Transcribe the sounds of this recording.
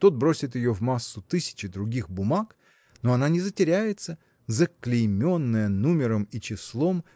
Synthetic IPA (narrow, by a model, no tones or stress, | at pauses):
t̪ot̪̚bɾo̞sʲɪt̪jɪjovmasːʊt̪ɨsʲɪ̥t͡ɕɪd̪ɾʊɡʲixbʊmak | noɐnanʲɪzətʲɪɾʲæjɪt̪sə | zəklʲɪjmʲo̞nːəjənumʲɪɾəmit͡ɕɪslˠo̞m